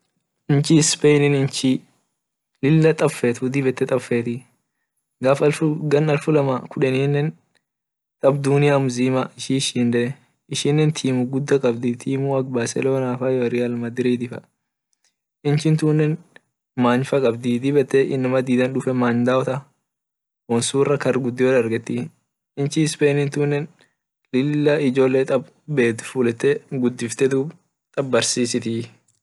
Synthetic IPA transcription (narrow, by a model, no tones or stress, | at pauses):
ʔɪnt͡ʃispɛjnɪnɪnt͡ʃi | lɪlːɐt̪ʼɐfːeːt̪ʊd̪ɪbɛt̪ːɛt̪ʼɐfːeːt̪ɪ | ɡaːfɐlfʊɡɐnɐlfʊlɐmɐkʰʊᶑɛniːnːɛn | t̪ʼɐbd̪uːnɪjamʊziːmɐɪʃiʃiːnd̪ɛ | ɪʃɪnːɛnt̪ʰiːmʊɡʊd̪ːɐkʼɐbd̪ɪt̪ʰiːmʊɐɡ̚baːsɛ̰loːnaːfɐjɔɾɪɐlmɐd̪ɪɾiːd̪ɪfɐ̰ | ɪnt͡ʃɪnt̪uːnːɛn | maːɲfɐkʼɐbd̪ɪd̪ɪbɛt̪ːɛʔɪnːɐmɐd̪iːd̪ɐnᶑʊfɛmaːɲd̪aːɔt̪ɐ | wɔnsuːrːɐkɐrɡʊd̪ːɪwɔlɐɾɡɛt̪ːɪ | ɪnt͡ʃɪspeːnɪnt̪uːnːɛn | lɪlːɐɪd͡ʒo̞ːlːeːt̪ʼɐb | beːt̪fuːlɛt̪ːɛɡʊd̪ːɪft̪ɛd̪ʊ | t̪ʼɐbbɐɾsiːsɪt̪ɪ